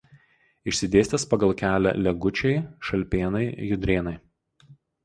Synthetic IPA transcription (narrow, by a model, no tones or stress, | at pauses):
ɪʃʲsʲɪd̪ʲeːsʲt̪ʲespɐɡɐlˠkʲæːlʲæ̰lʲɛɡʊt͡ʃʲɛɪʃɐlʲpʲeːnɐɪjʊd̪ʲɾʲeːnɐɪ